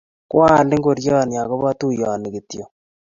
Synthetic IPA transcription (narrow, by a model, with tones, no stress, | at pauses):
kwa˦˨nde˦ŋɡo˨ɾjɔ˦˨nja˨ko˦βa˦tu˦jɔ˨ni˨ki˨tjo˨